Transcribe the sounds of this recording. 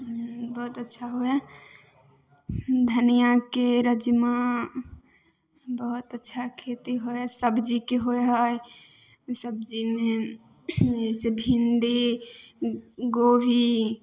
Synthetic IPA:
bəɦut̪ətːʃʰaɦoɛ | d̪ʱənijakeɾəd͡ʒma | bəɦut̪ətːʃʰakʰet̪iɦoɛsəbd͡ʒikeɦoeɦɔj | səb̚d͡ʒime | esebʱiɳɖi | ɡobi

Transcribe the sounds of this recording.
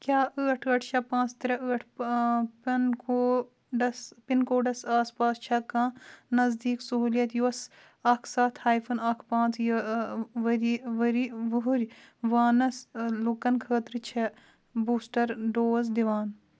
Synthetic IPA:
kʲjaːʔəːʈʰəːʈʰt͡ʃʰɐpãːt͡st̪ɐɾɐəːʈʰ | pnkoː | ɖɐspinkoːɖɐsaːspaːst͡ʃʰɐkãːnɐzd̪iːksuɦuːlijɐt̪juɐs | ɐkʰsaːt̪ʰhaːjpʰɐnɐkʰpãːt͡sj | ʋɐɾiʋɐɾiʋɐɦuɾʲʋaːnɐslukɐnkʰəːt̪ɾt͡ʃʰɐ | buːsʈɐɾɖoːzd̪iʋaːn

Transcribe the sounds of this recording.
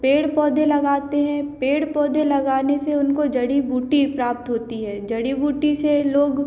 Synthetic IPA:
peːɽpɔːd̪ẽlɐɡaːt̪eɦɛ̃peːɽpɔːd̪elɐɡaːneseʊnkod͡ʒɐɽibuːʈipɾaːp̚t̪ɦoːt̪iɦɛːd͡ʒɐɽibuːʈiseloːɡ

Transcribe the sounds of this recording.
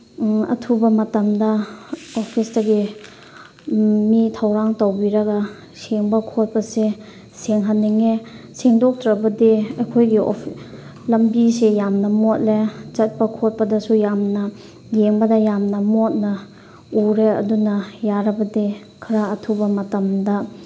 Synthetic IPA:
ɐ̰tʰubɐmɐtɐmdɐopʰisdɐɡi | mitʰɐwɾaŋtɐwbiɾɐɡɐ | seŋbɐkʰot̚pɐse | seŋɦanːiŋeseŋdok̚tɾɐbɐdiɐjkʰojɡio̰ | lɐmbisejamnɐmot̚let͡ʃɐt̚pɐkʰot̚pɐdɐsujamnɐ | jeŋbɐdɐjamnɐmot̚nɐ | uɾeɐ̰dunɐjaɾɐbɐdi | kʰɐɾaɐtʰubɐmɐtɐmdɐ

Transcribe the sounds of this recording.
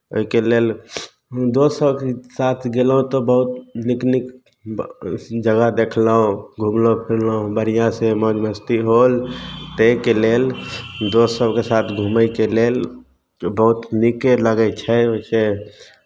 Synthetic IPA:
o̰ikelel | d̪osəbkesat̪ʰɡelɦũt̪ɔbəɦut̪niknik | d͡ʒəɡad̪ekʰləɦõɡʱumləpʰiɾləõbəɾijãsemod͡ʒməst̪iɦolt̪ekeleld̪osəbkesat̪ʰɡʱuməjkelel | bəɦut̪nikeləɡɛt͡ʃʰɛoise

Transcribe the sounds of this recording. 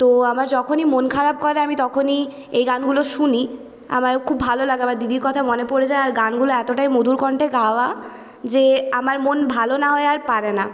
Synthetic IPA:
t̪oamaɾd͡ʑɔkʰonimonkʰaɾab̚kɔɾeamit̪ɔkʰoni | ejɡanɡuloʃuni | a̰maɾkʰubːʱalolaɡeamaɾd̪id̪iɾkɔt̪ʰamonepoɾed͡ʑaeaɾɡanɡuloɛt̪oʈajmod̪ʱuɾkɔɳʈeɡaoa | d͡ʑeamaɾmonbʱalonaɦɔeaɾpaɾena

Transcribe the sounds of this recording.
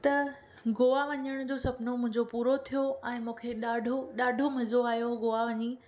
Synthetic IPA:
t̪ɐ | ɡoːʋaʋɐɲəɽ̃d͡ʑoːsɐpnomʊ̃ɦɪ̃ɲd͡ʑopuːɾot̪ʰijoɛ̃ːmũːkʰeɗaːɖʱoɗaːɖʱomɐzoaːjoɡoːaʋɐɲi

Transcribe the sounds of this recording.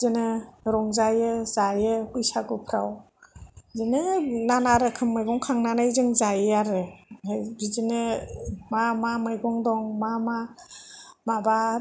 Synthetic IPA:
zɯnɯɾɔŋzajɯzajɯhujsaɡɯpʰɾaw | zɯnɯnanaɾɯkʰɯmmɯjɡɔŋkʰaŋnanajzɯŋzajaɾɯ | bizɯnɯmamamɯjɡɔŋdɔŋmama | maba

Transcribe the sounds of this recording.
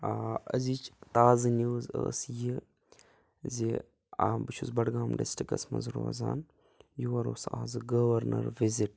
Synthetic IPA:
aɐzit͡ʃt̪aːzɨnuːzə̰ːsji | zi | abɨt͡ʃʰuzbɐɽɡaːmɖesʈikɐsmɐ̰nzɾo̰ɐza̰ːn | juʋɐɾoːsaːzɨɡɐʋɐɾnɐ̰ɾʋiziʈ

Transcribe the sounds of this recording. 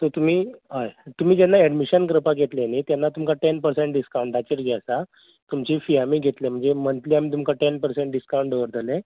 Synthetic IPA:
t̪ot̪um̤iːɦəjt̪um̤iːd͡ʑɛnːaɛɖmiɕənɡɾəpaɡʱet̪lenit̪janːat̪umkaʈɛnpəɾseɳʈ̚ɖiskaw̃ɳʈd̪at͡ɕeɾɡʱɛsa | t̪umt͡ɕifiamiːɡʱet̪lem̤əɳd͡zemənt̪liːam̤iːt̪̬umkaʈɛnpəɾsẽɳʈ̚ɖiskaw̃ɳʈɖəʋəɾd̪ʱəle

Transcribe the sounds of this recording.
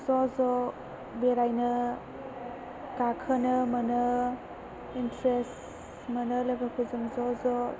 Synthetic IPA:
zɔzɔ | beɾajnɐ | kakʰənəmɐnə | intɾest | mənəlɐɡakʰɯzɯŋzɔzɔ

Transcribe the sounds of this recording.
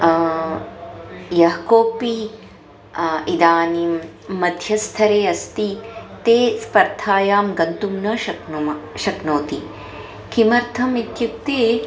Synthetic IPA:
jɐɦɐkoːpi | id̪aːni | mɐd̪ʱjɐst̪ʰɐɾeːɐst̪it̪eːspɐɾt̪ʰaːjaːmɡɐnt̪umnɐʃɐknumɐʃɐknoːt̪i | kimɐɾt̪ʰɐmit̪jup̚t̪eː

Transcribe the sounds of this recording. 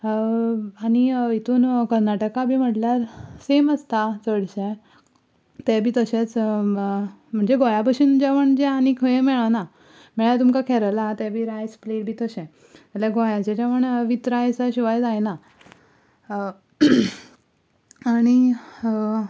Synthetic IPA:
aɽ̃iit̪ʰuːnkəɾnaʈəkabʱiːm̤əʈljaɾseməst̪at͡səɽɕẽ | t̪ɛbʱiːt̪əɕẽt͡s | m̤əɳd͡zeɡojabəɕiːnd͡ʑɛʋəɳd͡ʑɛanikʰəjẽmɛɭana | mɛɭat̪umkakʰɛɾəlat̪ɛbʱiːɾajspleɽbʱiːt̪əɕɛ̃ | t̪alaɡojat͡ɕɛd͡ʑaʋəɳʋit̪ɾajsaɕiʋajd͡zajna | aɽ̃i

